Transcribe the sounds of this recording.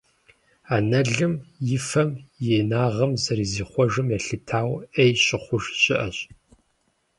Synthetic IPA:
aːnɐɮɨmjɪfɐmjeːnaːʁɐmzɐɾiːziːχʷɔʐɨmjɛɬɨtʰaːwejɕɪχʷʊʒɕɪʔɐɕʼ

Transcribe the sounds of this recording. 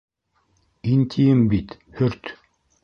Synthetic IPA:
int̪ʰʲijɘmbit̪ | hɵɾt̪

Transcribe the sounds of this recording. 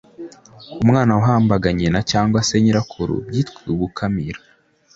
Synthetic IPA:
umŋaːnawaɦaːmbaɡaɲenacaːŋɡwase̞ɲiɾakʰuɾṵbɟiːtkiɡukʰamiɾḁ

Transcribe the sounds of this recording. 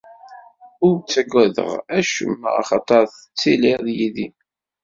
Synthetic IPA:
ʊɾt͡sːæɡʷːæðə̰ʁæʃəm̰ːʁɑ̰χɑt̪ˤɑɾˤθət͡sːiliʁðjiði

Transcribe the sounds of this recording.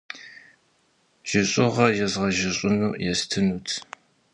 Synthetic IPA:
ʒ̥ɪɕʼɪʁɐjɛzʁɐʒɪɕʼʊnuːʔjɛstʰɨnuːtʰ

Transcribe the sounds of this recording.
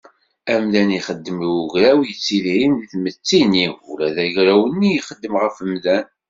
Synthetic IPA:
æmðæniχəd̪ːəmuʝɾæwjət͡sːilʕinðiθmət͡sːiniulæðæʝɾæwənːijiχəd̪ːəmʁəfəmðæn

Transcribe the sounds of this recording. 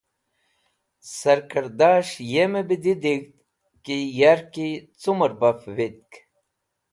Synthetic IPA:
sɐɾkəɾd̪aːʂjemebid̪id̪iɡt̪ | kijaɾkit͡suməɾbɐfʋit̪̚k

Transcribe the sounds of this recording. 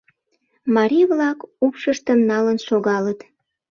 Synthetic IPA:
mɑɾʲiβlɑkupʃəʃt̪əmnɑlənʃoɣɑlət̪

